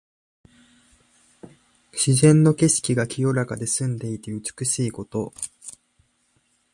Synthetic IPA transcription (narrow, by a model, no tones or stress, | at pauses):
ɕizẽ̞nːo̞ke̞ɕi̥kʲiɡakʲijo̞ɾakad̪e̞sɨ̃nd̪e̞it̪eɯ̟t͡sɨ̥kɯɕiːko̞t̪o̞